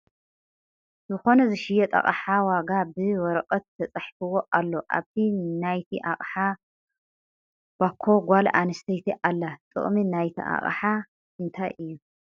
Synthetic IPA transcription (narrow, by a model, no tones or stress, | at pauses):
zɨxo̞nɐzɨʃɪjɛt̪ʼɐ̰χʼħawaɡabɨwɔɾɐqʼɐt̪ːʰɐt͡sʼɐħfɨwo̞ʔalːo̞ʔa̰βt̪ʰinajt̪ʰiʔaχʼħa | bakʰːo̞ɡʷalʔanɨst̪ʰɐjt̪ʰiʔalːat̪ʼɨ̰χʼminajt̪ʰḭʔa̰χʼħa | ɨnt̪ʰajʔɨjːu